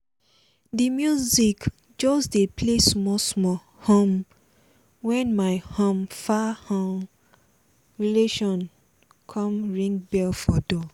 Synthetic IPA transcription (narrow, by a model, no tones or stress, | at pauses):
dimjuzik | d͡ʒɔsdepʰlesmɔsmɔ | hɔ̃m | wɛ̃nmaɪhɔ̃mfahɔ̃ŋ | ɹileʃɔ̃n | kʰɔ̃mɹĩŋbɛlfɔdɔ